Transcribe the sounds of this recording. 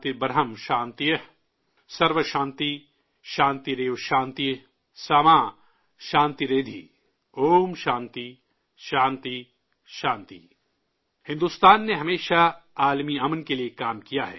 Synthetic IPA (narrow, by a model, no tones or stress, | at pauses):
t̪ibɐɾɦəmʃãːnt̪ijə | sɐɾʋəʃãːnt̪i | ʃãːnt̪iɾeːʋʃãːnt̪ij | saːmãː | ʃãːnt̪iɾeːd̪ʱḭ | oːmʃãːnt̪i | ʃãːnt̪i | ʃãːnt̪ḭ | hɪ̃nd̪ust̪aːnːeɦɐmeːʃaaːlmiɐmənkeliekaːmkijaɦɛ̰ː